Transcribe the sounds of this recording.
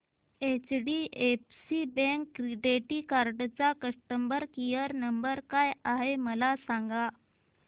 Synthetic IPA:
et͡ɕɖiʔepsibẽŋkːɾiɖeʈikaɾɖt͡sakəʂʈəmbəɾkijəɾnəmbəɾkajaɦeməlasaŋɡa

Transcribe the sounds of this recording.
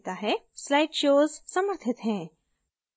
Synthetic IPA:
t̪aɦɛ | slaːɪʈʃoːzsɐməɾt̪ʰɪt̪ɦɛ̃ː

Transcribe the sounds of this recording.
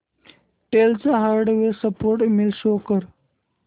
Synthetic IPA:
ʈelt͡saɦaɾɖʋesəpoɾʈmilɕokəɾ

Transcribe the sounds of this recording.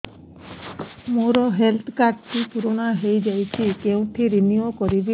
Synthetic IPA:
moɾɔɦelt̪ʰkaʈtipuɾoɽ̃aɦejd͡ʒajt͡ʃʰikeũʈʰiɾiniokɔɾibi

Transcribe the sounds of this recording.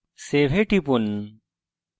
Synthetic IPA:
sebʱeʈipun

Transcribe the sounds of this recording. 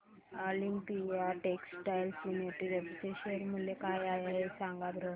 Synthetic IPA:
ɔlimpiaʈeksʈajlsunəɾʈiɾepiʈeɕənm̤əlekajajaɦesãŋɡat̪ɾo

